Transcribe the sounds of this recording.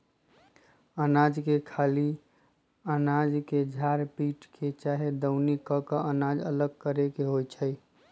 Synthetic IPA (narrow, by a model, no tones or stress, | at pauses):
ənad͡ʒkekʰali | ənad͡ʒked͡ʒʱaɾpiʈkʰet͡ʃaɦed̪əʊnikəkəʔənad͡ʒələɡ̚kəɾekeɦojt͡ʃʰəj